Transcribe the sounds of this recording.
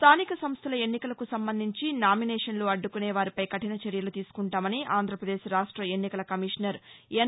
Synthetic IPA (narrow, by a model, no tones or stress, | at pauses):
sst̪ʰaːnikɐsɐmst̪ʰɐlɐe̞nːikɐlɐkusɐmbɐnd̪ʱiɲt͡ʃinaːminɛːʂɐnloːɐɖːukuneːʋaːɾipɐjkɐʈinɐt͡ʃeɾjɐlut̪iːsu̥kuɳʈaːmɐniʔaːnd̪ɾɐpɾɐd̪eːʃɾaːʂʈɾɐe̞nːikɐlɐkɐmiʂnɐɾe